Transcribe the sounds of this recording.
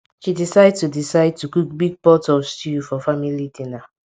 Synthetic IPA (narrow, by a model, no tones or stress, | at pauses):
ʃidisaɪd̚tudisaɪd̚tukuk̚biɡ̚pɔtɔstuufɔfamilidĩna